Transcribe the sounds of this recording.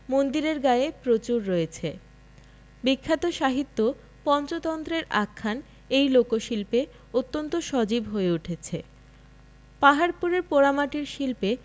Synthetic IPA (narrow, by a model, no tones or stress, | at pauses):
mond̪iɾeɾɡaepɾot͡ɕuɾːojet͡ɕʰe | bikʰːat̪oʃaɦit̪ːo | pɔnt͡ɕot̪ɔnt̪ɾeɾakʰːan | ejlokoʃilpe | ot̪ːont̪oʃɔd͡ʑibɦoeuʈʰet͡ɕʰe | paɦaɾpuɾeɾpoɾamaʈiɾʃilpe